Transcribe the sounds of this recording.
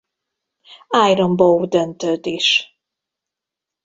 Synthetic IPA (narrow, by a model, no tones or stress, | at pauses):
ajɾombowd̪ønt̪ød̪eʃ